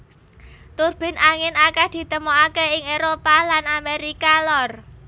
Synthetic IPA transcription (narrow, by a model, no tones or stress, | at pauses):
t̪urb̥ɪ̤nʔaŋɪnakɛhd̪̥i̤t̪əmoakeɪŋeɾopalanameɾikalɔr